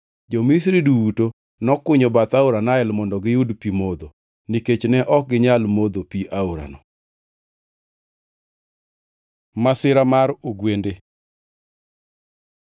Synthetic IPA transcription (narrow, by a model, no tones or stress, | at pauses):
d͡ʒomis̬ɾiduwuto | nɔkʊɲobat̪auɾanaɛlmɔndɔɡɪjudpimod̪o | niket͡ʃnɛʔɔk̚ɡɪɲalmod̪opiʔauɾa̰nɔ | masɪɾamaɾoɡwende